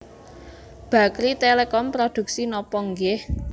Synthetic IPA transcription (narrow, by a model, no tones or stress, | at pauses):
b̥ä̤kɾit̪elekɔmpɾod̪̥ṳk̚sinɔpɔŋɡɪh